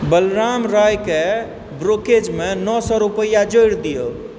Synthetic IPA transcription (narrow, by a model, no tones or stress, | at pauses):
bəlɾamɾajke | bɾoked͡ʒmenɔsɔɾupəjad͡ʒojɽd̪ijo